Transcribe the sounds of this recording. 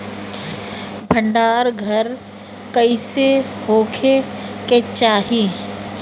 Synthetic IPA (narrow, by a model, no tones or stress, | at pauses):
bʱə̃ɳɖaːɾɡʱɐɾ | kəisehoːkʰeket͡ʃaːɦi